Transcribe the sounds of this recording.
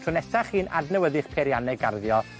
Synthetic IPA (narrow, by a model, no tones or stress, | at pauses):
tʰrʊnɛsaχiːna̰dnɛwəðɪχpʰeɾjanɛɡarðjɔ